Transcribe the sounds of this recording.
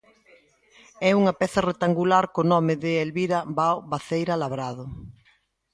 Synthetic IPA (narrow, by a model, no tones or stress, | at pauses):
ɛuŋapɛθɐret̪aŋɡulaɾkonɔmɪðɪelβiɾabawβaθejɾalaβɾaðʊ